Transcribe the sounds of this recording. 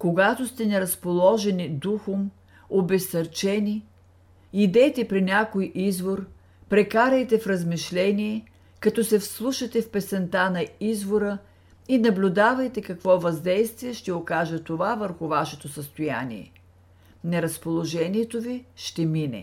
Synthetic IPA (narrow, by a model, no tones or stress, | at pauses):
koɡat̪ost̪ɛnɛɾɐspolˠɔʒɛnid̪uxom | obɛsɐɾt͡ʃɛni | id̪ɛt̪ɛpɾinʲakojʔizvoɾ | pɾɛkaɾɐjt̪ɛfɾəzmiʃlɛniɛ | kɐt̪ɔsɛfslˠuʃɐt̪ɛfpɛsɛnt̪anɐizvoɾə | inɐblʲʊd̪avɐjt̪ɛkɐkvɔvɐzd̪ɛjst̪viɛʃt̪ɛokaʒət̪ovavəɾxʊvaʃɛt̪osəst̪oja̰nḭɛ̰ | nɛɾɐspolˠoʒɛniɛt̪oviʃt̪ɛminɛ̰